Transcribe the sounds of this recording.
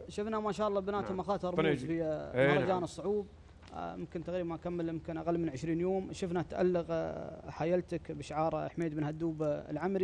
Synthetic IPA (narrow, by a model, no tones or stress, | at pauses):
ʃʊfnamaʃaːʔɑlˤːɑːbɪnaːt̪amaxɑːt̪ˤɨɾˤfiameɑɾɾˤɑd͡ʒaːnɨsˤːʊʕuːb | ʊmkɪnt̪aɣɾiːbanʔakamːəlmɪmkɪnʔaɣalːmɪnʕɪʃɾiːnjoːmʃʊfnat̪ʔa̰lːɪɣħaːjalt̪akbɪʃʕɑːɾˤħmeːd̪bɪnhad̪ːuːba̰lʕamɾi